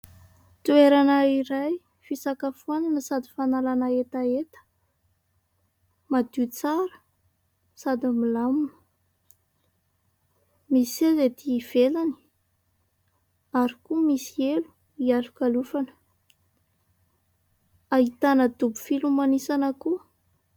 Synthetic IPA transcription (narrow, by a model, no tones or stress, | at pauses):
t̪ueɾanaiɾaj | fisakafuananəsad̪ifanalanaet̪aet̪ə̥ | mad̪ut͡saɾə̥ | sad̪imilamunə̥ | misisezed̪iv̥elani̥ | aɾikumisielu̥ | ialukalufanə̥ | aɦit̪anəd̪ubu̥filumanisanəku